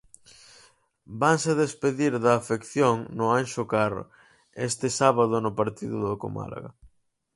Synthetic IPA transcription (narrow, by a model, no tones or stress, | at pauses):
baŋseðespeðiɾðɐːfekθjoŋnʊanʃʊkaɾ̰ | est̪ɪsaβaðʊnʊpaɾt̪iðʊðako̰ma̰la̰ɣɐ̰